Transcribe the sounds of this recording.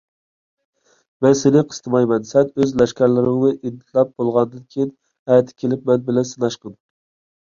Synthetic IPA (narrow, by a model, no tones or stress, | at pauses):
mɛnsenɪqʰə̥st̪ʰɨmɑjmɛnsɛnøzlɛʃkʲæɾlɪɾɪŋnɨʔid̪ːɪ̥t̪ʰlɛp̚bolˠʁɑnd̪ɨnkʲʰijin | ɛjt̪ʰːɪ̥kʲʰelɪpmɛnbɪlɛnsɨnɑʃqən